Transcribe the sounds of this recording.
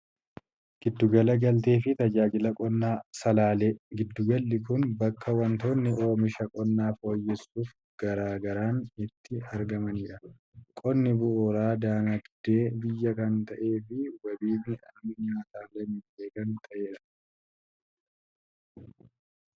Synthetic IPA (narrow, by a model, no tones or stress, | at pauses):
ɡ̥ɪd̪ːʊɡɐlɐɡɐlt̪e̞ːfɪt̪ɐd͡ʒaːd͡ʒɪlɐkʼɔnːaːsɐlaːleɡɪd̪ːʊɡɐlːɪkʊnbɐkʰːɐwɐnt̪o̞ːnːɪʔo̞ːmɪʃɐkʼɔnːaːfo̞ːjːɛsːuːf | ɡ̥ɐɾaːɡɐɾaːnɪt̪ʰːɪɐɾɡɐmɐniːᶑɐ | kʼɔnːɪbʊʔoɾaːd̪aːnɐd̪̥e̞ːbɪjːɐkɐnt̪ɐʔe̞ːfɪwɐbiːnɪʔɐmɪnaːt̪aːlɐmɪbeːkɐnt̪ʰʼɐʔeːᶑɐ̥